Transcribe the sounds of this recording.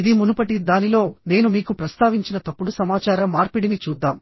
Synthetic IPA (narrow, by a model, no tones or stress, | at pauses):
id̪imunupɐʈ̬id̪aːnilo̞ːne̞ːnumiːkupɾɐst̪ʰaːʋiɲt͡ʃinɐt̪ɐpːuɽusɐmaːt͡ʃaːɾɐmːaːɾpiɽinit͡ʃuːd̪ːaːm